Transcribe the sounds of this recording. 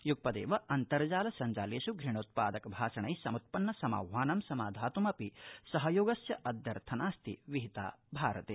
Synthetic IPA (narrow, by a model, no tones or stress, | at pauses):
juk̚pɐd̪ḛːʋɐʔɐnt̪ɐɾɐd͡ʒaːlɐsɐɲd͡ʒaːleːʃuɡɾiɳ̃oːt̪̚pa̰ːd̪ɐkɐbʱaːʃɐɳɐjsɐmut̪̚pɐnːɐsɐma̰ːʋːaːnɐmsɐmaːd̪ʱaːt̪umɐpisɐɦɐjoːɡɐsjɐʔɐd̪ʱjɐɾt̪ʰɐnaːst̪ʰḭʋiɦit̪a̰ːbʱaːɾɐt̪ḛː